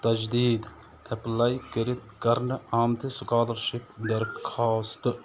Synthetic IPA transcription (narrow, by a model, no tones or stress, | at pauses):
t̪ɐd͡ʒd̪iːd̪ | eplajkəɾit̪̚kɐɾnɨaːmt̪ʰesukaːlɐɾʃipd̪ɐɾkʰaːst̪